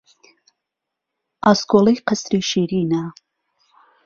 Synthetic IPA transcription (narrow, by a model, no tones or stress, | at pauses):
ɑskolejqəsɾiːʃiːɾiːna